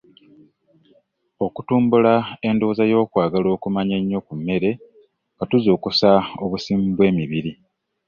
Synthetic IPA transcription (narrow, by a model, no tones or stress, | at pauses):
o̞kutuːmbulae̞ndo̞ːzajo̞ːkwaːɡalo̞ːkumaɲeɲːo̞kumːe̞ɾe̞ | ŋɡatuzo̞ːkusao̞βusiːmbwe̞ːmiβiɾi